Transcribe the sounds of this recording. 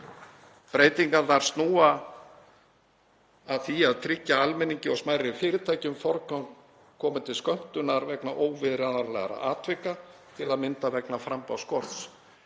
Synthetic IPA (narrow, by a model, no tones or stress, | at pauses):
pɾeːjt̪iŋkaθaɾ̥st̪nuːa | ðθiaðt̪ʰɾɪcːaalmɛniɲcɪɔsmaːjɾɪfɪːɾɪt̪ʰaːjcʏmfɔɾkan | kʰɔːmʏnt̪ʰɪlskœm̥t̪ʏnaɾvɛknaʔoːwvɪðɾɛðaɾlɛ̰ɣa̰ɾa̰ʔaːt̪ʰvɪkat̪ʰɪlaðmɪnt̪avɛknafɾampawskɔɾt̪s